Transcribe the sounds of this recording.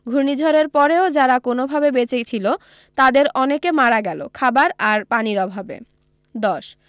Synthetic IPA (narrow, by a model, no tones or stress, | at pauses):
ɡʱunid͡ʑʱoɾeɾpɔɾeod͡ʑaɾakonobʱabebet͡ɕejt͡ɕʰilo | t̪ad̪eɾɔnekemaɾaɡɛlo̰kʰabaɾaɾpaniɾɔbʱabḛ | d̪ɔʃ